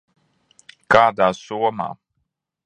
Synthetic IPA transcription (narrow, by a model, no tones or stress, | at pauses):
kaːd̪aːsuɔma̰ː